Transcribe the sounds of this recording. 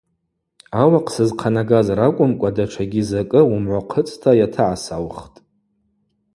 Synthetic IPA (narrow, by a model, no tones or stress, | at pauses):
awaqʰʼsɨzqʰanaɡazɾakʷʼʊmkʷʼadaʈ͡ʂʷʰaɡʲizakʼɨumʕʷaqʰət͡sʼtʰajatʰaʕasawχtʼ